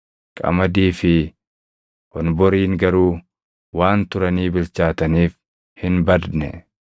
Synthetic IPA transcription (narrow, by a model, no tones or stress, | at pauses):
kʼɐ̰mɐd̪iːfɪ | kɔnbɔɾiːŋɡɐɾuː | waːnt̪ʊɾɐniːbɪlt͡ʃaːt̪ɐniːf | hɪnbɐd̪nɛ